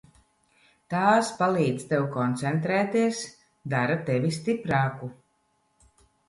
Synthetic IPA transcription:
t̪aːspalˠiːd̪zt̪ɛwkɔnt̪sɛnt̪ɾɛːt̪iɛs | d̪aɾat̪ɛvist̪ipɾɑːku

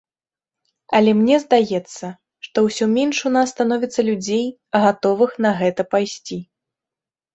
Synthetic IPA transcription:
ɐlʲɛmnʲɛzd̪ajɛt̪sːɐ | ʂt̪ɔwsʲɔmʲɛnʂunasːt̪anɔvʲit̪sːɐlʲud͡zʲej | ɣat̪ɔvɨxnɐɣɛt̪ɐpajsʲt͡sʲi

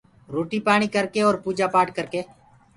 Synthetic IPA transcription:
ɾoːʈiːpaːɽ̃iːkəɾkeɔːɾpuːd͡ʒaːpaːʈkəɾkeː

